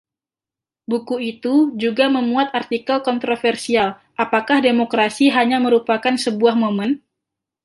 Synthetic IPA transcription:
bukuit̪ud͡ʒuɡaməmuat̪art̪ikalkɔnt̪ɾofɛrsial | ʔapakahdemokɾasiɦaɲaməɾupakansəbuahmomən

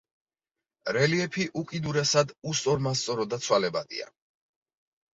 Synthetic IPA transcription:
ɾɛliɛpʰiʔukʼid̪uɾɛsad̪ust̪ʼɔɾmas̬t̪sʼɔɾɔd̪at̪sʰwalɛbad̪̥ḭa̰

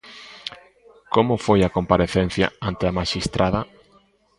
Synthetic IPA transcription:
komʊfojakompaɾeθen̟θja̰ant̪eamaʃist̪ɾʔaðɐ

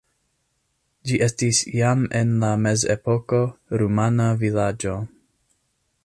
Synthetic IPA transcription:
d͡ʒiʔe̞stisjame̞nlame̞zḛpo̞ko̞ɾumanavilad͡ʒo̞

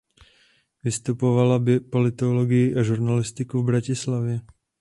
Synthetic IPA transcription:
vɪst̪upovalabɪpo̞lɪt̪oloɡɪjɪʔaʒuɾnalɪst̪ɪkuvbɾacɪslavjɛ

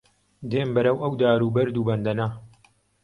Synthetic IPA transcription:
d̪eːmbɐɾɐwʔɐwd̪aːɾuːbɐɾd̪uːbɐnd̪ɐnɐ

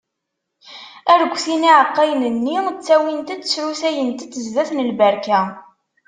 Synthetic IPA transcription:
æɾəɡʷːθiniʕəqːæjnənːit͡sːæwint̪æd̪t͡sːɾusæjənt̪æt͡s̪ːəzðæθnəlbæɾkæ

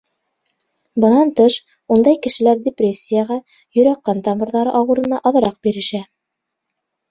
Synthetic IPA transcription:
bɤ̆nɑnt̪ɤʃ | und̪ɑjkɘ̆ʃɘ̆læɾdʲɪprʲesʲːijəʁɑ | jɵ̆ɾæqːɑnt̪ɑmɤ̆ɾðɑɾɤʔɑwɤ̆ɾɤ̆nɑʔɑðɤ̆ɾɑq̚biɾɘ̆ʃæ

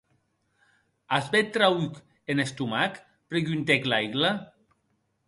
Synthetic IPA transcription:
azbet̪ɾawyk | enest̪umak | pɾeɣynt̪eklajɣla

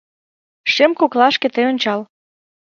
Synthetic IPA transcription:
ʃemkoklɑʃkĕt̪ejonʲt͡ɕɑl

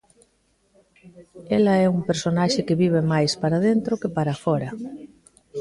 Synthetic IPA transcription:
elaɛumpeɾsonaʃekeβiβ̞emajspaɾaðent̪ɾokepaɾafɔɾɐ

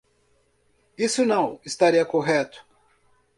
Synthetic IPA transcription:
isʊnɐ̃w̃ɪst̪aɾiɐkoɦɛt̪ʊ̥

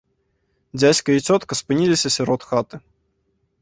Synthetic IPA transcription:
d͡zʲat͡sʲkɐit͡sʲɔt̪kɐspɨnʲilʲisʲɐsʲɛɾɔt̪xat̪ɨ

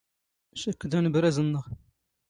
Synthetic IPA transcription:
ʃækːd̪ænəbɾæzənːəʁ

